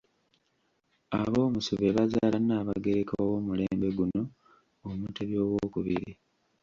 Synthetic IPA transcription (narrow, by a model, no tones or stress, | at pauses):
a̰βo̞ːmusuβe̞βazaːlanaːβaɡe̞ɾekaaβo̞muleːmbe̞ɡuno̞ | omuteβjo̞ːβwoːkuβḭɾi